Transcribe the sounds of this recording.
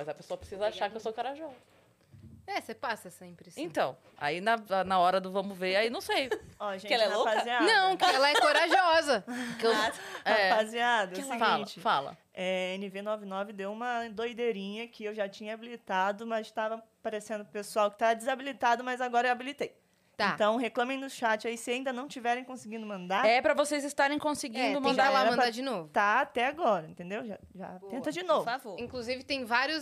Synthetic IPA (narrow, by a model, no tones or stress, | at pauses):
mɐzɐpesoɐpɾɪsizɐaʃaɾkɪewsokoɾaʒiɔzɐɐ | ɛsepasɐsẽpɾɪẽt̪ɐ̃w̃ | a̰inɐanɐɔɾɐd̪ʊvɐ̃mʊveɾainɐ̃w̃sejɔʒẽkɪɛt͡ʃlɐɛlopakɐzianɐ̃w̃kɪɛlɐɛkkoɾaʒiɔzɐkewaɛfaziad̪ɐsɪɡfal̃t͡ʃɪfalɐ̰ | ɛenɪvenɔvɪnɔvɪd̪ewũmɐd̪ojd̪eɾĩɲɐkɪewʒat͡ʃĩɲɐabilit̪ad̪ʊmɐzst̪avɐpaɾesẽnd̪ʊpesuawkɪ̥t̪avɐd͡ʒɪzabilit̪ad̪ʊmɐzaɡɔɾɐewabilit̪ej | t̪ãt̪ɐ̃w̃ɦeklɐ̃mẽj̃nʊʃat͡ʃɪaisɪaĩnd̪ɐnɐ̃w̃t͡ʃivɛɾẽj̃kõsɪɡĩnd̪ʊmɐ̃nd̪aɾɛpɾɐvosejzɪst̪aɾẽj̃kõsɪɡĩnd̪ʊmɐ̃dd̪alamɐ̃pɾd̪ad͡ʒɪnovʊt̪aːt̪ɛaɡɔɾɐẽnt̪ẽnd̪ewʒa | ʒa̰t̪ẽnt̪ɐd͡ʒɪnovavoɾĩŋkluzivɪt̪ẽj̃vaɾjʊs